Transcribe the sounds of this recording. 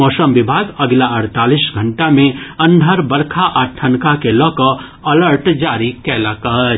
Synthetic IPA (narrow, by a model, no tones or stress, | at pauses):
mɔːsəmʋɪbʱaːɡɐɡlaɐɽt̪aːlisɡʱə̃ɳʈamẽɐ̃nd̪ʱəɾbəɽkʰaʔaʈʰənkakelɔːkɔ | ɐləɾʈd͡ʒaːɾikɛːlakɐɦ